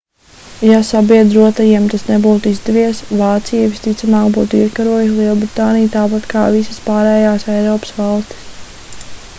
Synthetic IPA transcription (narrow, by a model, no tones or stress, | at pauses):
jasabiɛd̪ɾuɔt̪ajiɛmt̪asnebuːt̪uizd̪ɛviɛsvaːt̪sijɛvʲist̪it̪samaːɡbuːt̪ikaɾuɔjsʲlˠiɛlˠbɾit̪aːnijt̪aːpat̪kʰaːvisəspaːɾɛːjaːsɛjɾɔːpə̥svalˠst̪i̥s